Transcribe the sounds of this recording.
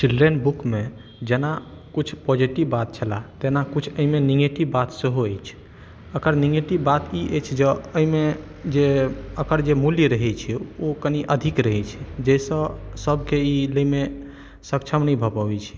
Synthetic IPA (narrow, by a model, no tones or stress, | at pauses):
t͡ʃilɖɾənbukme | d͡ʒena | kut͡ʃʰpɔd͡ʒiʈibːat̪̚t͡ʃʰəla̰t̪enakut͡ʃʰəimeniɡɡeʈibbat̪seɦoəjt͡ʃʰ | əkəɾniɡeʈibbat̪iʔəjt͡ʃʰd͡ʒeəɦime | d͡ʒeəkəɾd͡ʒemuliɾəɦɛt͡ʃʰɛokəniʔəd̪ʱikɾəɦɛt͡ʃʰɛ̥d͡ʒəsə̃səbkeiləime | sək̚t͡ʃʰəmnəbʱəpɔbɛt͡ʃʰi̥